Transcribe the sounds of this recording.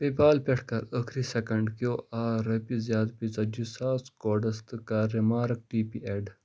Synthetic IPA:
pepaːlpeʈkɐɾəkʰɾisekɐɳɖkjoːʔaɾɐpizjaːt̪pit͡sɐd͡ʒisaːskoːɖɐst̪ɨkaɾːimaːɾk̚ʈiːpiʔeɖ

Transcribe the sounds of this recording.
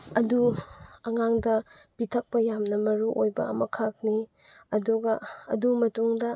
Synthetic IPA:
ɐduɐŋaŋdɐpitʰɐk̚pɐjamnɐmɐɾuʔojbɐ̰ɐmɐkʰɐk̚ni | ɐduɡɐɐ̰dumɐtuŋdɐ

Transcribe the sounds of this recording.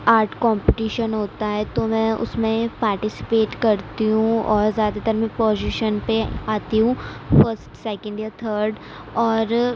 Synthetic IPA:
aːɾʈʰkɔ̃ːmpɪʈiːʃənɦoːt̪aɦɛt̪omɛ̃ːʊ̰smẽpaːɾʈɪsɪ̥peːʈkɐɾt̪iɦũɔːɾzjaːd̪at̪ɐɾmẽpɔːd͡ʒiʃənpeaːt̪iɦũːfəɾsʈsɛːkə̃ɳɖjaːt̪ʰəːɾɖ | ɔːɾ

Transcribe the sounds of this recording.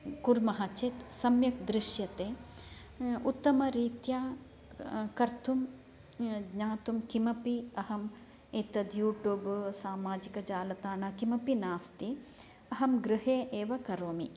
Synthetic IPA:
kuɾmɐɦɐt͡ʃet̪sɐmjɐkd̪ɾɪʃjɐt̪eː | ut̪ːɐmɐɾiːt̪jaː | kɐɾt̪ʰum | ɡɲaːt̪umkimɐpiɐɦɐm | eːt̪ɐd̪juːʈjuːbsaːmaːd͡ʒikɐd͡ʒaːlɐt̪aːɳaːkimɐpinaːst̪i | ɐɦɐmɡɾɨɦeːʔeːʋɐkɐɾoːmi

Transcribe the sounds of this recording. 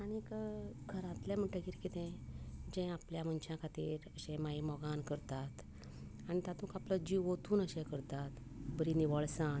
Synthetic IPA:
añikəkʰəɾãt̪lɛ̃m̤əɳʈəkiɾkit̪ɛ̃d͡ʑɛ̃apljamənt͡ɕãkʰat̪iːɾəɕɛ̃maimɔɡankəɾt̪at̪ | añit̪ãt̪ũːkapləd͡ʑiot̪ʰuːnəɕɛ̃kəɾt̪at̪ | bəɾiniʋəɭsãn

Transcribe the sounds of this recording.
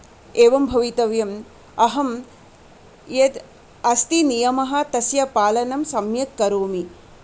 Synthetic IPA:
eːʋɐmbʱɐʋit̪ɐʋjɐm | ɐɦɐm | jɐd̪ | ɐst̪inijɐmɐɦɐ̆t̪ɐsjɐpaːlɐnɐmsɐmjɐkkɐɾoːmi

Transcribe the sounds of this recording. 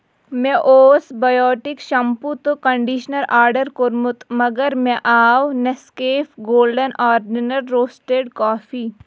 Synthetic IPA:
mẽʔoːsbɐjɔːʈɪkʃɐmput̪okɐ̃ɳɖiːʃnəlʔaːɾɖəɾkoɾmʊt̪mɐɡəɾmɛ̃ʔaːwneskeːfɡoːlɖənaːɾɖɪnɐɾːoːsʈeːɖkɔːfʰiː

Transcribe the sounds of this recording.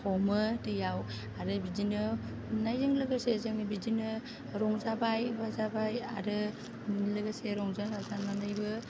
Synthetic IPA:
kʰɔmɯtɯjaw | aɾɯbid͡ʒinɯ | najzɯŋlɯɡasezɯŋnɯbid͡ʒinɯ | ɾɔŋzabajbazabaja̰ɾɯ | nlɯɡaseɾɔŋzaŋazananajbɯ

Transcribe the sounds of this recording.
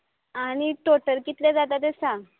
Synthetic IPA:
aɽ̃iʈoʈəlkit̪led͡zat̪at̪esã

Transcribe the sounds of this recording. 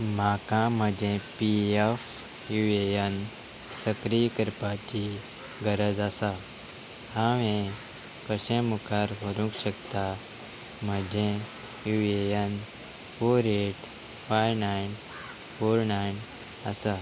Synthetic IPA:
m̤akãm̤əd͡ʑẽpief | juejən | səkɾijkəɾpat͡ɕi | ɡəɾəd͡zasa | haʋẽ | kəɕẽmukʰaɾʋəɾũkɕəkt̪a | m̤əd͡ʑʱẽ | juejən | foɾeʈ | fajnajn | foɾnajn | əsa

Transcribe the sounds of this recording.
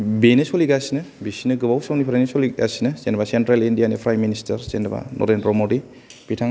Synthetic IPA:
benesoliɡasinɐbisinɐɡɯbawsawnipʰɾanisoliɡa̰sinɐsenɐbasentɾalindijanipʰɾajministɐɾsenba̰nʔo̰ɾenpɾomodi | pitʰaŋ

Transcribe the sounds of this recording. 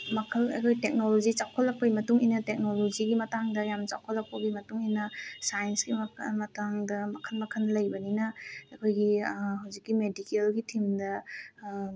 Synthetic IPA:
mɐkʰɐlɐ̰kʰojtek̚nolod͡ʒit͡ʃawkʰolːɐk̚pɐjmɐtuŋijnɐtek̚nolod͡ʒiɡimɐtaŋdɐjamt͡ʃa̰wkʰolːɐk̚pɐɡimɐtuŋinɐsajensɡimmɐtaŋdɐmɐkʰɐlmɐkʰɐnːɐlɐjbɐninɐɐkʰojɡiɦawzikːimedikelɡitʰimdɐ

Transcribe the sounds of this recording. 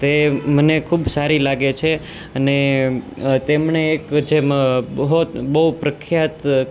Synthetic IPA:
t̪emənekʰubsaɾilaɡet͡ʃʰe | əne | t̪emɳeːkd͡ʒemɦobəɦupɾəkʰjat̪

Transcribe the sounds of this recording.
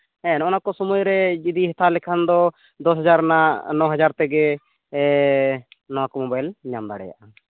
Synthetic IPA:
ɛ̃nɔnakɔsɔmujɾɛd͡ʒid̪iɦɛt̪ʰalɛkʰand̪ɔ | d̪ɔsɦɛd͡ʒaɾnaʔnɔɦad͡ʒaɾt̪ɛɡɛ | nɔkmɔbajlɲamd̪a̰ɽɛ̰ja̰ʔa

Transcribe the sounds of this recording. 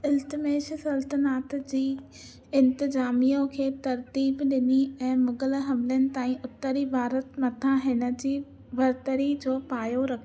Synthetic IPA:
ɪlt̪ɪmeːʃəsɐlt̪ənaːt̪d͡ʑiː | ɪ̃nt̪ɪzaːmijõkʰeːt̪ɐɾt̪iːbɗɪniɛ̃ːmʊɡəlɦɐmlənɪ̆t̪aːĩʊt̪ːəɾibʱaːɾət̪mɐt̪ʰãɦɪnə̆d͡ʑiː | bɐɾt̪əɾid͡ʑoːpaːjoɾɐkʰ

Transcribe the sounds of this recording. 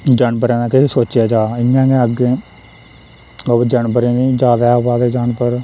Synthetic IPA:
d͡ʒənbəɾãːnãːkɪtʰeːsoːt͡ʃjaːd͡ʒaːɪnːãːɡẽːəɡeː | əbd͡ʒəɳbəɾẽːnĩːd͡ʒaːd̪aːbaːd̪eːd͡ʒaːɳpəɾ

